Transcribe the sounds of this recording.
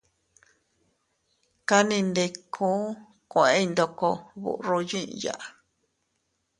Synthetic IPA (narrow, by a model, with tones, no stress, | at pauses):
ka˦nĩ˧nd̪e˧kʰũː˦ | kʷẽ˦i˧nd̪o˧ko˧βṵ˨ʔro˧jḭ̃˦˧ja̰˨ʔa˨˧